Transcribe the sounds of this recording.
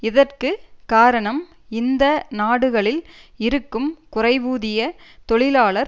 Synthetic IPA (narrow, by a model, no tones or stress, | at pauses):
ɪðɐrkɯkaːɾɐɳɐm | ɪnd̪ɐnaːɽɯɣɐɭɪlɪɾɯkːɯmkʊrɐɪʋuːðɪjɐt̪ɔɭɪlaːɭɐɾ